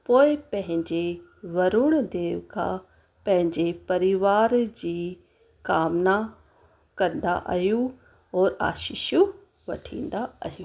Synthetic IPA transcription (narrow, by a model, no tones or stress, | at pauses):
poːɪpɐ̃ɦɪ̃ɲd͡ʑe | ʋɐɾuɽ̃d̪eːʋkʰa̰ | pɐ̃ɦɪ̃ɲd͡ʑepɐɾɪʋaːɾd͡ʑiː | kaːmna | kɐɾnd̪a̰ʔa̰ɦjũ | ɔːɾa̰ːʃiʃju | ʋɐʈʰḭ̃ːnd̪aaɦjũː